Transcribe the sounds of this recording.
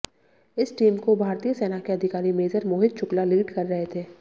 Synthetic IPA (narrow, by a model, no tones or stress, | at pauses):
ɪsʈiːmkobʱaːɾt̪ijəseːnakeɐd̪ʱɪkaːɾimeːzəɾmoːɦɪt̪̚t͡ʃʊklaliːʈkɐɾːɐɦet̪ʰeː